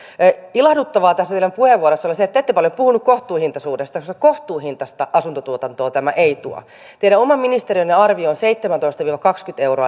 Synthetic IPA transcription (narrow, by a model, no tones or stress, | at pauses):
ilɑhdut̪ːɑʋɑːt̪æsːætielæmpuheʋʋuoɾesːɑoliset̪ːæet̪ːepɑljopuhunukkoht̪uːhint̪ɑsuːdest̪ɑkosekoht̪uːhint̪ɑst̪ɑʔɑsunt̪ot̪uot̪ɑnt̪oːt̪æmæʔeit̪uɑ̰ | t̪eiɾæomɑmminist̪eɾiønːeɑrʋioːnseit̪ːemænt̪oist̪ɑʋiːʋɑkɑkskyt̪ewroɑ